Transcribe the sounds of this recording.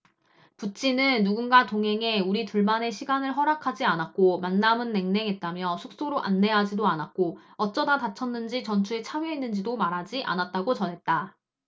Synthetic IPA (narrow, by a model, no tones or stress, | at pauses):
put͡ɕ͈ʰinɯnːuɡunɡatoŋɦe̞ŋe̞uɾituɭmane̞ɕʰiɡanɯɭɦʌɾakʰad͡ʑianak̚k͈omanːamɯnːe̞ŋne̞ŋɦet̚t͈amjʌsʰuk̚s͈oɾoʔa̰nːe̞ɦad͡ʑidoanak̚k͈oʌt͡ɕ͈ʌdatat͡ɕʰʌnːɯnd͡ʑit͡ɕʌnt͡ɕʰue̞t͡ɕʰawjeinːɯnd͡ʑidomaɾɦad͡ʑiʔa̰nat̚t͈aɡot͡ɕʌnɦe̞t̚t͈a